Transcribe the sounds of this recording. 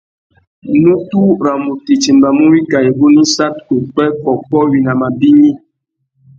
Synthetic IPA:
nũ˦tu˦ɾa˨mu˨ti˨t͡ʃi˨m˨ba˨mũ˦wi˦ɡa˨je˨ɡu˦nĩ˦sa˦tke˨k͡pɛ˦kɔ˨kɔ˦wi˨na˨ma˨bi˦ɲĩ˦

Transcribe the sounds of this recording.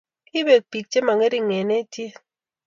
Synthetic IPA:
i˦be˨k̚pi˨k̚t͡ʃe˦ma˨ŋe˦ɾi˦ŋɛ˨ne˦tje˦

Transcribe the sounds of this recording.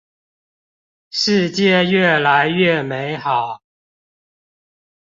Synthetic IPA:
ʂɻ̩˥˧t͡ɕjɛ˥˨ɥɛ˥˨la˨˦ɪɥɛ˥˨me˨˧˥ɪxɑ˨˩˦ʊ

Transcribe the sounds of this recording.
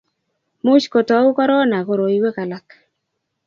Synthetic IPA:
mu˦ʃko˨tɔ˨˦u˦kɔ˦ɾɔ˦na˨ɣo˨ɾo˨i˦we˦ka˨la˦k

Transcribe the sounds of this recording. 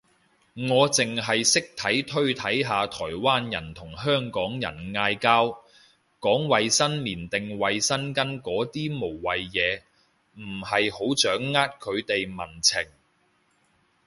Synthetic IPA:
ŋɔː˨˧t͡sɪ˨ŋɦɐ˨jsɪ˥k̚t̪ʰɐ˨˥jt̪ʰɵ˥ɥt̪ʰɐ˨˥jɦaː˨˧t̪ʰɔː˨˩jwaː˥njɐ̰˨˩nt̪ʰʊ˨˩ŋɦœː˥ŋkɔː˨˥ŋjɐ̰˨˩nŋaː˧jkaː˥w | kɔː˨˥ŋwɐ˨jsɐ˥nliː˨˩nt̪ɪ˨ŋwɐ˨jsɐ˥nkɐ˥nkɔː˨˥t̪iː˥mo˨˩wwɐ˨jjɛː˨˧ | m̩˨˩hɐ˨jho˨˥wt͡ʃœː˨˥ŋːaː˥t̚kʰɵ˨˧ɥt̪e˨jmɐ˨˩nt͡sʰɪ˨˩ŋ

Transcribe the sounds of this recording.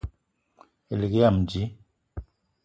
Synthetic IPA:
e˨li˨kja˦˨md͡ʒi˨˦

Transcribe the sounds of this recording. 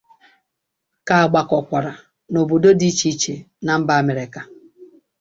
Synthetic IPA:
ka˨a˨ɡ͡ba˨kɔ˨kʷa˨ɾa˨ | no˨bo˨do˦di˦t͡ʃi˦t͡ʃe˨ | na˨m̩˦ba˦a˦˨me˨ɾe˨ka˨

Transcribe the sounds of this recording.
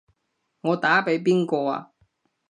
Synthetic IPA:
ŋɔː˨˧t̪aː˨˥pe˨˥jp̬iː˥nkɔː˧a̰ː˧

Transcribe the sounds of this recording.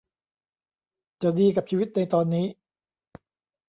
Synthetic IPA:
t͡ɕa˨˩diː˧ka˨˩t͡ɕʰiː˧wi˦˥t̪̚na˧jt̪ɔː˧nːiː˦˥

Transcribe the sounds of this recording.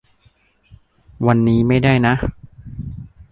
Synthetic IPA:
wa˧nːiː˦˥ma˥˩jda˥˩jna˦˥ʔ

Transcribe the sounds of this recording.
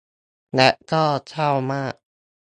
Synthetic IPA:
lɛ˦˥ʔkɔː˥˩t͡ɕʰa˥˩wmaː˥˩k̚

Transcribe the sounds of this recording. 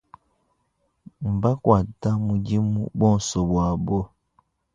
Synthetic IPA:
m̩˨ba˦kwaː˨ta˦mu˨ɟi˦mṵ˦bwɔː˦˨nso˨bwaː˨bo˦

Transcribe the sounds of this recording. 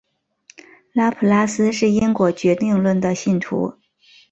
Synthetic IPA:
la˥pʰu˧˩la˥sɹ̩˥ʂɻ̩˥˩i˥ŋkwɔ˨˩t͡ɕɥɛ˧˥t̪i˥˧ŋlwə˥˩nd̪ə˩ɕi˥˩nt̪ʰṵ˧˥

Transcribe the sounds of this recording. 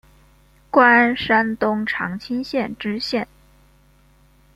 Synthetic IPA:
kwa˥nʂa˥nt̪ʊ˥ŋʈ͡ʂʰɑ̰˧˥ŋt͡ɕʰi˥nɕjɛ˥˩nʈ͡ʂɻ̩˥ɕjɛ˥˩n

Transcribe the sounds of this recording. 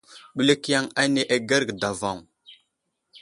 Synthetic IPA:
ɓu˨le˦kja˦ŋa˦ne˨ʔa˨ɡa˦ɾɡda˨va˦˨ŋ

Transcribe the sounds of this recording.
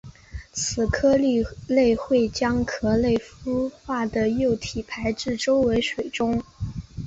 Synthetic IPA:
t͡sʰɹ̩˨˩kʰɤ˥li˥˧le˥˧ɪxwe˥˩ɪt͡ɕjɑ˥ŋkʰɤ˧˥le˥˩ɪfu˥xwa˥˩d̪ə˩jo˥˩ʊt̪ʰi˨˩pʰa˧˥ɪʈ͡ʂɻ̩˥˩ʈ͡ʂo˥ʊwe˧˥ɪʂwe˨˩ɪʈ͡ʂʊ˥ŋ

